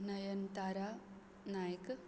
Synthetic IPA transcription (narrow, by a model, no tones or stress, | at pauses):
nɐjɐnt̪aːɾa | naːjɐkɨ